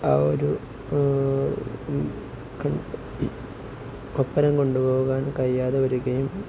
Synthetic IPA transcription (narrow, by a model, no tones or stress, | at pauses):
ɐo̰ɾu | kɐ | kopːɐɾɐmko̞ɳɖubo̞ːɣaːnkɐjːaːðeɐɾuɡɐjum